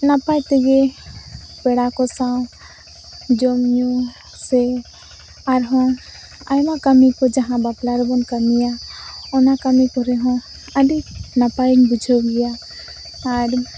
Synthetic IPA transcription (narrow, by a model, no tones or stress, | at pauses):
napajt̪eɡe | pɛɽakɔsã | d͡ʒomju | se | aɾɦɔ̃ | a̰jmãkəmikɔd͡ʒaɦãbaplaɾbɔnkəmijaɔnakəmikɔɾɛɦɔ̃ | aɖinapajinbud͡ʒʱɔɡija | aɾ